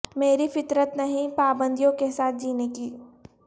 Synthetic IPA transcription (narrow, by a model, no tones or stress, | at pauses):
meːɾifɪt̪ɾət̪nɐɦĩpaːbə̃nd̪ijõkesaːt̪̚ʰd͡ʒiːnekiː